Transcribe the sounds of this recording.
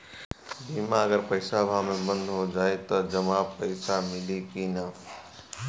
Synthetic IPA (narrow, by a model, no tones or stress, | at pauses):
bimaəɡəɾpəɪsabʱamẽbə̃nd̪ʱɦod͡ʒaːet̪ɔd͡ʒəmapəɪsamɪlikina